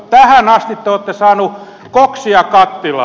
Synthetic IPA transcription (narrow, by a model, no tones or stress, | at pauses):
t̪æhænɑst̪it̪t̪eoːt̪ːesɑːnu | koksiɑkɑt̪ːilɑ̰